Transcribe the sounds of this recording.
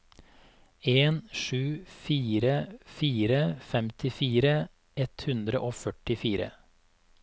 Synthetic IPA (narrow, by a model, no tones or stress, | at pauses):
eːnʃʉːfiːɾəfiːɾəfɛmt̪ʰɪfiːɾə | ʔɛt̪hʉnd̪ɾəʔoːfœʈɪfiːɾə̰